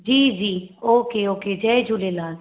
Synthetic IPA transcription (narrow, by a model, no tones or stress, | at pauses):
d͡ʒiːd͡ʒiːoːkeoːked͡ʒɛd͡ʒulelaː